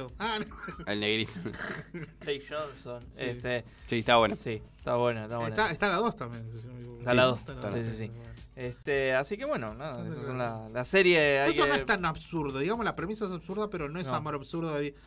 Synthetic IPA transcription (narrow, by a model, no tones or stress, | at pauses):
oanoelneɣɾit̪o̥ | t̪ejʃonsonest̪e | sit̪aβwenasiest̪aβwenaet̪aβwent̪aest̪alaðo̞st̪ambjensesiet̪alaðosaissisiest̪easike̞βwe̞nonaðaesassonlalaseɾjeajonoet̪anaβsuɾðoðiɣamolapɾemisaes̬aβsuɾðapeɾonoesamoɾaβsuɾðoj